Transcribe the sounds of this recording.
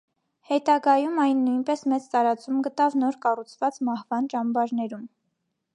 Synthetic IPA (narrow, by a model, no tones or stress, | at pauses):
hɛt̪ɑɡɑjumɑjnːujnpɛsmɛt͡st̪ɑɾɑt͡sumɡət̪ɑvnɔɾkɑrut͡sʰvɑt͡smɑhvɑnt͡ʃɑmbɑɾnɛɾum